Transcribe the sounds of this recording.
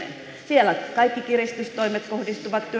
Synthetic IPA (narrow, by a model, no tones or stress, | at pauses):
ḛn | sielækɑikːikirist̪yst̪oimet̪kohdist̪uʋɑt̪t̪y